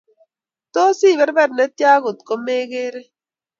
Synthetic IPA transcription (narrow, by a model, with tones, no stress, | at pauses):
to˦si˦˨bɛ˦ɾbɛ˦˨ɾnɛ˨˦tja˦ɣo˨tko˨˦me˦ɣeː˦ɾe˦